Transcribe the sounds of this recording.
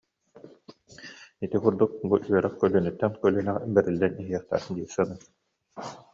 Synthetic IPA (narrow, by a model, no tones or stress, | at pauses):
it̪ikuɾd̪uk̚buʔyœɾɛχkœlynyt̪ːɛnkœlynɛʁbɛɾilːɛniɦiɛχt̪æ̰ɾd̪iːɾsanɯ